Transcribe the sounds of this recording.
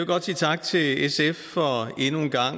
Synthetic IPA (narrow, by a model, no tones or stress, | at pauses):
oɡ̥ɒ̽d̥sḭːt͡sʰɑ̈ɡ̥̚t͡sʰe̝lesefːɒ̽e̝nunɡ̥ɑ̈ŋ̰